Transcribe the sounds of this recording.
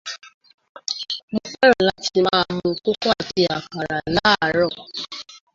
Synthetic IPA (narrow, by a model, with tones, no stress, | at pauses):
mo˧fɛ˦ɾ̃ã˨la˨˦tʰi˧mãː˧mũ˧ko˦kɔ˦a˦˨ti˧˦a˨ka˨ɾa˨la˨˦˨ɾɔ˦˨